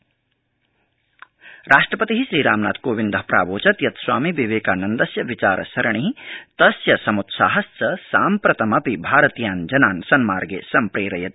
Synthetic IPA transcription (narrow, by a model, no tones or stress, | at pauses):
ɾaːʂʈɾɐpɐt̪iɦiʃɾiːɾa̰ːmna̰ːt̪koːʋind̪ɐɦpɾa̰ːʋoːt͡ʃɐt̪jɐt̪swa̰ːmiʋiʋeːkaːnɐnd̪ɐsjɐʋit͡ʃaːɾʔɐ̰sɐɾɐɳ̃it̪ɐsjɐsɐmut̪sa̰ːɦɐst͡sɐsaːmpɾɐt̪ɐmɐpibʱaːɾɐt̪jaːnd͡ʒɐnaːnsɐnmaːɾɡḛːsɐmpɾeːɾɐjɐt̪